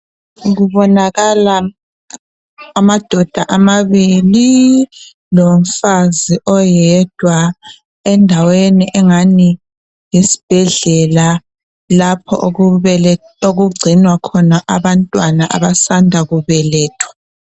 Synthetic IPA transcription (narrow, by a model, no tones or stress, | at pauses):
ɣuβɔnaɣala | mad̥ʱɔd̥ʱaʔamaβili | lom̩faziʔɔjɛd̥ʱwa | ɛndʱaweniʔɛŋani | jisi̥b̥ʱɛɮɛla | lapʰɔ̰ʔ | oɣuɡ͡ǀʱinwakʰɔnaʔaβantʼwanaʔa̰βasandʱaɣuβɛlɛːtʰwḁ